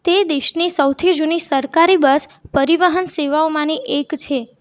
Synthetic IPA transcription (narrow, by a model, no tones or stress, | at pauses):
t̪ed̪eʃnisəwt̪ʰid͡ʒunisəɾkaɾibəspəɾiʋəɦənseʋaomãniʔekt͡ʃʰe